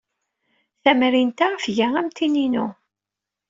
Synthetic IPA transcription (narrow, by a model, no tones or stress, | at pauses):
θæmɾint̪aʁəfʝæʁæmt̪ininṵ